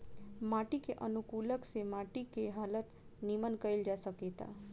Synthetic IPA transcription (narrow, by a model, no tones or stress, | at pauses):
maʈikeʔənukuləksemaʈikeɦalət̪ | nimənkəild͡ʒasəket̪a̰